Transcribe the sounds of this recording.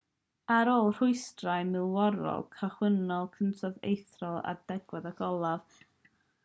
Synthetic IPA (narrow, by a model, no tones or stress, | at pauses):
aɾoːlˠr̥ʊɨstrajmɪlˠwɔɾɔ̰lˠkʰaχwənɔlˠkʰəntʰɔðḛjθrɔlˠa̰dɛɡ̥wɛðaɡɔlˠav